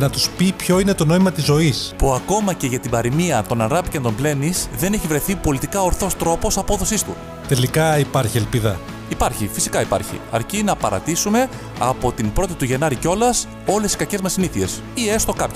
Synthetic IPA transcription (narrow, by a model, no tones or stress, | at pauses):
nɐt̪uspipço̞ine̞t̪o̞no̞imɐt̪izo̞ispuɐko̞mɐce̞ʝɐt̪ibɐɾimiɐt̪o̞nɐnɣɐpicɐnt̪o̞mple̞nisðe̞ne̞çivɾe̞θipo̞lit̪ikɐoɾθo̞st̪ɾo̞po̞sɐpo̞ðo̞sist̪u | t̪e̞likɐipɐɾçielpiðɐ | ipɐɾçifisi̥kɐipɐ̰ɾçḭɐ̰ɾcinɐpɐɾɐ̰t̪isume̞ | ɐpo̞t̪imbɾo̞t̪it̪uʝe̞nɐɾico̞lɐs | o̞le̞siskɐce̞zmɐsiniθie̞s | iest̪o̞kɐp